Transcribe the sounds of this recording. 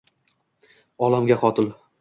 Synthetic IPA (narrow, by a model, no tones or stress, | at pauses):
ɒlamɡʲaχɒt̪ʰɪl